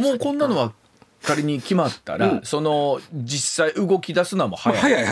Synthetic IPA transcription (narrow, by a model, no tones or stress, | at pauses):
mo̞ːkõ̞nːano̞βa | kːaɾʲiɲ̟ikʲimat̪ːa̰ɾaso̞no̞d͡ʑisːaiʔɯ̟ɡo̞kʲid̪asɨnamo̞hajaaja